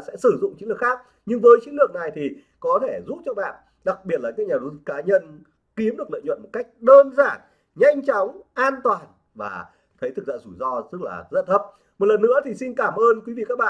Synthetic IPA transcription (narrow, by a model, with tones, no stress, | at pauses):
sɛ̰˧˥sɨ˧˩zʊ̰˧˨ŋ͡mt͡ɕi˨˦ŋlɨ˨˩əkxaː˦˥k̚ | ɲɨ˧ŋvəː˨˦jt͡ɕi˨˦ŋlɨ˨˩ək̚na˨˩jt̪ʰi˨˩ | kɔ˨˦t̪ʰe˧˩zṵ˧˥t̚t͡ɕɔ˧ɓa̰ː˧˨n | ɗa˨˩k̚ɓi˨˩ət̚laː˨˩kaː˦˥k̚ɲaː˨˩ɗo˨˦˨kaː˨˦ɲə˧n | ki˨˦mɗɨ˨˩ək̚lə̰ː˧˨jɲwə̰˧˨nmo˨˩t̚ka˦˥jk̟̚ɗəː˧nzaː˧˩n | ɲa˧jŋ̟t͡ɕɔ˨˦wŋ͡mʔaː˧nt̪waː˨˩n | va̰ː˨˩ | t̪ʰə˨˦jt̪ʰɨ˨˩za̰ː˧˨zu˧˩jzɔ˧t̪ɨ˦˥k̚la̰ː˨˩zə˦˥n̚t̪ʰə˦˥p̚ | mo˨˩t̚lə˨˩nːɨ̰˧˥ət̪ʰi˨˩si˧nkaː˧˩mʔəː˧nkwi˨˦vi˧˨ka˦˥k̚ɓa̰ː˧˨